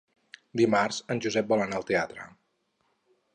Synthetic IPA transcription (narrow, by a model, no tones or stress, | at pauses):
d̪imarzənʲʒuzɛp̚bɔlənaəlˠt̪eat̪ɾə̰